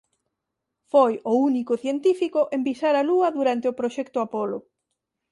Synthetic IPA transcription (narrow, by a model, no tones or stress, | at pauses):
fojʊunikʊθjent̪ifikoʔembisaɾaluɐðuɾant̪ɪʊpɾoʃɛkt̪ʊapolʊ